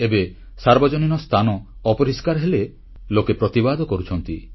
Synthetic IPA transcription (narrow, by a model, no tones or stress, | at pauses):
ebe | saɾbɔd͡ʒoninɔst̪ʰanɔːpɔɾiskaɾɦele | lokepɾɔt̪ibad̪ʱɔkɔɾut͡ʃʰɔnt̪i